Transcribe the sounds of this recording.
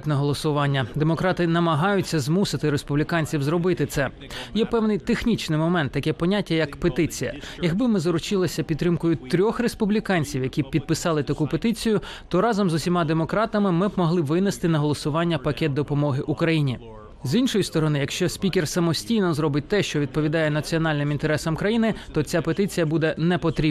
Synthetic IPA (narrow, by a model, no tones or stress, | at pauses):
tʲnɐɦɔlˠɔsʊʋɑnʲːɐd̪emɔkɾɑt̪ɪnɐmɐɦɑjʊt͡sʲːɐzmusɪt̪ɪɾespublʲikɑnʲt͡sʲiwzrɔbɪt̪ɪt̪sɛ | jɛpɛwnɪjt̪exnʲit͡ʃnɪjmɔmɛnt̪ːɐkʲɛpɔnʲatʲːɐjɐkpet̪ɪt͡sʲijɐ̰ | jɐɡbɪmɪzɔɾʊt͡ʃɪlˠɐsʲɐpʲid̪t̪ːɾɪmkʊjʊt̪ɾʲɔxrespublʲikɑnʲt͡sʲiwjɐkʲipʲid̪̚pɪsɑlˠɪt̪ɐkupet̪ɪt͡sʲijʊ | t̪ɔɾɑzɔmzʊsʲimɑd̪emɔkɾɑt̪ɐmɪmɪbmɔɦlˠɪʋɪnest̪ɪnɐɦɔlˠɔsʊʋɑnʲːɐpɐkʲɛt̪̚d̪ɔpɔmɔɦɪʔukɾɐjinʲi | zinʃɔjist̪ɔɾɔnɪjɐkʃt͡ʃɔsʲpʲikʲersɐmɔsʲtʲijnɔzrɔbɪt̚ʲt̪ɛʃt͡ʃɔʋʲid̪̚pɔʋʲid̪ɑjɛnɐt͡sʲiɔnɑlʲnɪmint̪eɾɛsɐmkɾɐjinɪt̪ɔt͡sʲapet̪ɪt͡sʲijɐbud̪ɛnɛpɔt̪ɾʲi